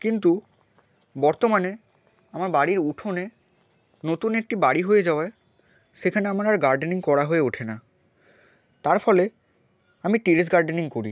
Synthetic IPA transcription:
kint̪u | bɔɾt̪omane | amaɾbaɽiɾuʈʰone | not̪unek̚ʈibaɽiɦojed͡ʑaoae | ʃekʰaneamaɾaɾɡaɾɖeniŋkɔɾaɦoeuʈʰena | t̪aɾfɔle | amiʈiɾes̬ɡaɾɖeniŋkoɾi

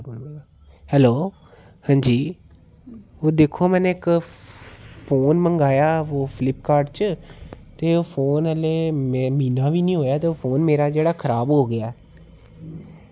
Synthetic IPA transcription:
hɛːloː | hə̃ːɲd͡ʒiː | oːd̪eːkʰːoːmɛ̃ːnẽːɪk | pʰoːnməŋɡaːjaːoːpʰɪlɪpkaːɾɖt͡ʃ | t̪eːoːpʰoːnəleːmemiːnãːʋiːnĩːɦoːjaːt̪eopʰoːnmeːɾaːd͡ʒeːɽaːkʰəɾaːbɦoːɡɪjaːɛː

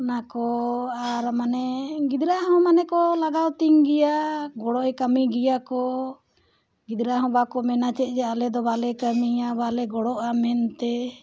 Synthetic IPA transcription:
nakɔaɾmanɛɡid̪ɾaɦɔ̃manɛkɔlaɡawt̪iŋɡijaɡɔɽɔʔɛkamiɡijakɔ | ɡid̪ɾaɦɔ̃bakɔmɛnat͡ʃɛt̪̚ˀd͡ʒɛalɛd̪ɔbalɛkamiabalɛɡɔɽɔʔamɛnt̪ɛ

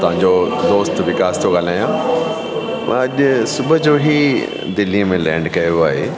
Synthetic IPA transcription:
t̪ɐʋ̤ãɲd͡ʑod̪oːst̪ʋɪkaːst̪ʰoɠaːl̤aːjã | mɐ̰̃ɐʄʊsʊbʱə̆d͡ʑoːɦi | d̪ɪlimẽlɛ̃ːɳɖkɐjoaːɦeː

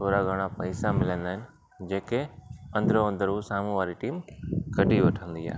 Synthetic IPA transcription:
t̪ʰoːɾaɡʱɐɽ̃apɐɪsamɪlə̃nd̪aːɦɪnɪ̆ | d͡ʑeːkeɐ̃nd̪ʱɾoɐ̃nd̪ʱəɾuːsaːmũʋaːɾiʈiːmkɐɖʱiʋɐʈʰə̃nd̪ia̰ːɦe

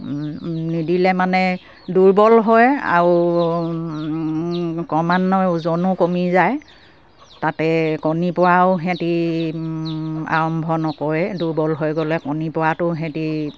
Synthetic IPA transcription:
nidilɛmanɛ | duɹbɔlɦɔja̰ɹu | kɔmanːɔzɔnʊkomizaj | tatɛkɔnipɔɹaʊɦɛ̃ti | a̰ɹɔmbʱɔnɔkɔɹɛduɹbɔlɦojɡɔlɛkɔnipɔɹatʊɦɛ̃ti

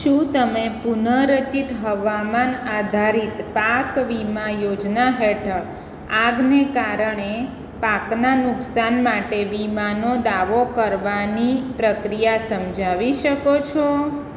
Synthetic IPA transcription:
ʃũt̪əmepunəɾət͡ʃit̪ɦəʋamanad̪ʱaɾit̪pakʋimajod͡ʒnaɦeʈʰəɭ | aɡnekaɾəɳe | paknanʊksanmaʈeʋimanod̪aʋokəɾʋanipɾəkɾijasəmd͡ʒʱaʋiʃəkot͡ʃʰo

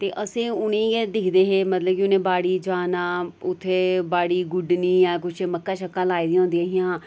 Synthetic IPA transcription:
t̪eːʔəsĩːʊnẽːed̪ɪkʰd̪eːɦeːmət̪ləb̚kiʊnẽːbaːɽiːd͡ʒaːnaːʊt̪ʰːeːbaːɽiːɡʊɖniːjãːk̬ʊt͡ʃʰməkːaːʃəkːaːlaːid̪iːɦõːnd̪iaːɦɪjãː

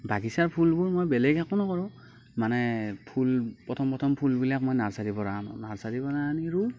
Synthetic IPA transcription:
baɡisaɹpʰulbuɹmojbɛlɛɡakʊ̃nɔkɔɹɔ̃ | manɛpʰulpɹɔtʰɔmpɹɔtʰɔmpʰulbilak̚mojnaɹsaɹibɔnan̰naɹsaɹibɔnaniɹu

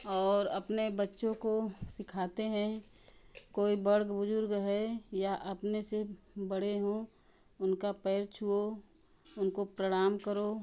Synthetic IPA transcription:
ɔːɾɐpnebətːʃõkosɪkʰaːt̪eɦɛ̃ | koːibəɾɡbʊd͡ʒʊɾɡɦɛjaʔɐpnese | bəɽ̤eɦõ | ʊnkapɛːɾt͡ʃʰuo | ʊnkopɾəɽ̃aːmkəɾoː

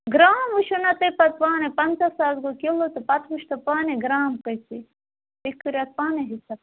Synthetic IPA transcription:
ɡɾaːmuʃunɐt̪ɐpɐt̪paːnepɐnt͡sɐsaːlɡokilot̪ɐpɐt̪ʋuʃt̪ɐpaːneɡɾaːmkɐjsi | t̪ikuɾʲɐt̪̚paːneɦisɐ

